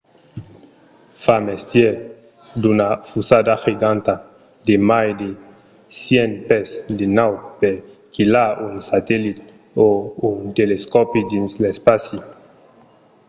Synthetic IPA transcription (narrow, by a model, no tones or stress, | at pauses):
famest̪je | d̪unafusad̪axiɡãnt̪a | d̪emajd̪e | sjenpɛsd̪enawt̪̚peɾ | kilaunsat̪ɛlit̪ | ount̪eleskɔpid̪inslespasi